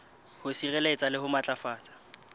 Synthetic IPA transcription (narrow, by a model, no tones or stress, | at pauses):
hʊsirɛlet͡sʼalɪhʊmat͡ɬʼafaːt͡sʼḁ